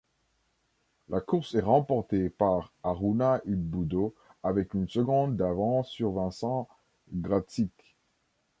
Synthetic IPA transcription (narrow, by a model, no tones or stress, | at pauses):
lakuʁsɛʁɑ̃pɔʁt̪epaʁaʁunaʔyd̪̚bud̪o | avɛkynsəɡɔ̃d̪̚ːavɑ̃syʁvɛ̃sɑ̃ | ɡʁatit̪